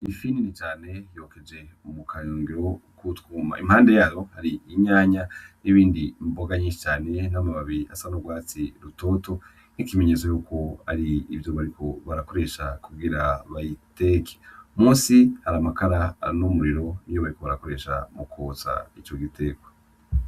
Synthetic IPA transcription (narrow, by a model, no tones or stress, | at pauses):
ifininit͡ʃaːne̞jo̞ːke̞d͡ʒe̞umukʰaɲoːŋɡiɾo̞kʰutkuːma̰imhaːnde̞jaːjo̞haɾiiɲaːɲajiβiːndimboɡaɲit͡ʃaːne̞namaβaβiia̰sanoɡwaːt͡siɾuto̞ːto̞ | nikime̞ɲe̞t͡sojuːko̞a̰ɾiːvjo̞βaɾikʰo̞βaɾako̞ɾe̞ʃakuɡiɾaβajiteke̥umũːsihaɾamakaɾaːɾnomuɾiɾo̞nijoβaɾikoβaɾako̞ɾe̞ʃa̰mukʰoːt͡sa̰it͡ʃo̞ɡitʰe̞ɡo